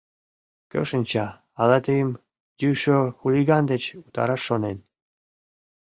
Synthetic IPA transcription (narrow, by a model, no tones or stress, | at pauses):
kə̰ʃənʲt͡ɕɑ | ɑlɑt̪ejəm | jyʃoxuliɣɑnd̪et͡ɕut̪ɑ̰ɾɑʃːonen